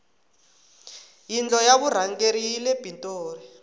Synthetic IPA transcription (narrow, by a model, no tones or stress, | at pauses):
jind͡ɮɔjaβuɾ̤aŋɡeɾiileb̥ʱintʼoːri